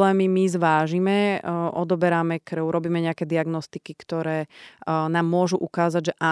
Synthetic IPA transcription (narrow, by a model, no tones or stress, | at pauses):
lɛːmimizʋaːʒimɛʔɔd̪ɔbɛɾamɛkɾʊɾɔbiːmɛɲɛakɛːd̪iaɡnɔst̪ikikt̪ɔɾɛːnaːmːʊɔʒuʔukaːzaɟʒɛʔa